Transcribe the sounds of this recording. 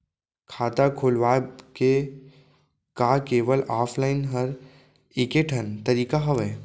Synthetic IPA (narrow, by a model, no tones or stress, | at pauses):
kʰaːt̪akʰoːlʋaːke | kaːkeːʋəlaːpʰlaːɪnɦɐɾ | ɪːkeʈʰɐnt̪ɐɾiːkaɦɐʋɛː